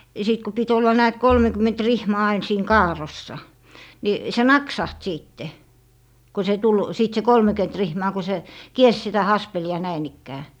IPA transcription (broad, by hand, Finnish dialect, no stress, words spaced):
jɑ sit ku pit olːɑ næːt kolmekymˑent rihmɑː ɑin siːŋ kɑːrˑosːɑ ni se nɑksɑht siːtːe ko se tul siˑt se kolmekyet rihmɑː ku se kiers sitæ hɑspeliɑ næin ikːæː